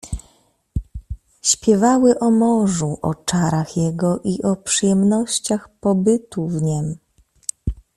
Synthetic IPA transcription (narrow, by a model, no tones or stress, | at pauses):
ɕpʲjɛvawɘʔɔmɔʐuʔɔ̰t͡ʂaɾaxjɛɡɔʔiʔɔpʂɘjɛmnɔɕt͡ɕaxpɔbɘt̪uvɲɛm